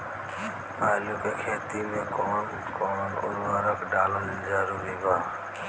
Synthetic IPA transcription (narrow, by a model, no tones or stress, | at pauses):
aːlukekʰeːt̪imẽkɔːn | kɔːnʊ̰ɾʋaɾəkɖaːlənɪd͡ʒəɾuːɾibaː